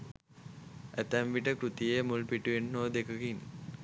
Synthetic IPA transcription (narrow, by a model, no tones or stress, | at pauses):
æt̪æmʋiʈəkɾut̪ijemulpiʈuʋenːoːd̪ekəkin